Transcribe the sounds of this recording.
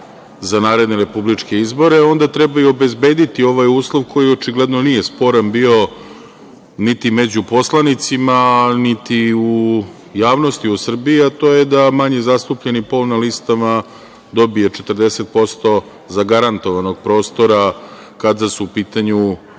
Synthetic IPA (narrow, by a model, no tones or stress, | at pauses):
zanaːɾe̞d̪neɾe̞publit͡ʂke̞izbo̞ɾe̞o̞nd̪at̪ɾebaio̞be̞zbe̞ːd̪it̪io̞ʋajuːslˠoʋkʰo̞jiot͡ʃiɡle̞d̪no̞nije̞spo̞ɾanbio̞ | nit̪ime̞d͡ʑupo̞slˠanit̪simanit̪iu | jaːʋno̞st̪iusr̩biiat̪o̞jed̪amaɲezast̪upʎenipolˠnalist̪ama | d̪o̞bijet͡ʃet̪r̩d̪ese̞t̪̚po̞st̪o̞ | zaɡaɾant̪o̞ʋano̞ɡ̚pɾo̞ːst̪o̞ɾa | kad̪asuːpiːt̪aɲu